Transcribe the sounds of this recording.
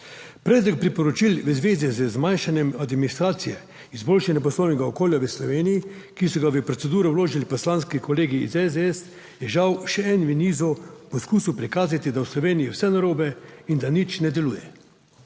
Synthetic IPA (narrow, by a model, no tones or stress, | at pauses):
pɾɛːd̪lɔk̚pɾipɔɾɔt͡ʃilʋəzʋeːzizəzmajnʃanjɛmad̪minist̪ɾaːt̪sijɛ | izboːlʃanjap̬ɔslownɛɡaokoːljaʋəslɔʋeːnijikisɔɡaʋəpɾɔt̪sɛd̪uːɾɛwloːʒilipɔslaːnskikɔleːɡḭːzɛzd̪ɛɛs | jɛʒawʃɛɛnʋiniːzɔpɔskuːsuwpɾikaːzat̪id̪awslɔʋeːnijiwsɛnaɾoːbɛind̪anit͡ʃnɛd̪ɛluːjɛ